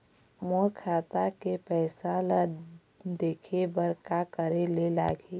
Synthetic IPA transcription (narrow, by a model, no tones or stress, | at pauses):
moːɾkʰaːt̪akepɛːsala | d̪eːkʰebəɾkakəɾelela̰ːɡe